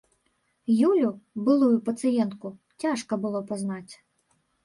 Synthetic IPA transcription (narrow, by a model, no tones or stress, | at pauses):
julʲubɨlˠujupɐt̪sɨjɛnt̪ku | t͡sʲaʂkɐbɨlˠɔpaznat͡sʲ